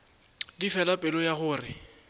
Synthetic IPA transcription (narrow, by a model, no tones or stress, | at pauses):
difɛlapʼɪlɔjaχʊːrɪ